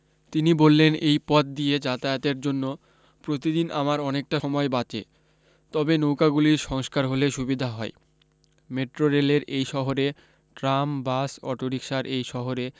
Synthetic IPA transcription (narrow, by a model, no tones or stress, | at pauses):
t̪inibolːenejpɔt̪̚d̪ied͡ʑat̪aeot̪eɾd͡ʑonːo | pɾot̪id̪inʔamaɾɔnek̚ʈaɔmɔebat͡ɕḛ | t̪ɔbenowkaɡuliɾʃɔŋskaɾɦoleʃubid̪ʱaɦɔe | meʈɾoɾeleɾejʃɔɦoɾe | ʈɾambasɔʈoɾikʃaɾʔejʃɔɦoɾe